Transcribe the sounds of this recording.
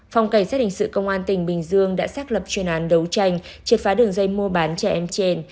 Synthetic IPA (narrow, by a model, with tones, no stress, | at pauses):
fa˧wŋ͡mka˧˩jsaː˦˥hï˨˩ŋsɨ̰˧˨kə˧wŋ͡mʔaː˧nt̪ï˧˩ŋ̟ɓï˨˩ŋ̟zɨ˧əŋɗa̰ː˧˥saː˦˥k̚lə˨˩p̚t͡ɕwi˨˩ənʔaː˨˦nɗə˨˦wt͡ɕa˧jŋ̟t͡ɕi˨˩faː˨˦ɗɨ˨˩əŋzə˧jmu˧əɓaː˨˦nt͡ɕɛ˧˩ʔɛ˧mt͡ɕe˧n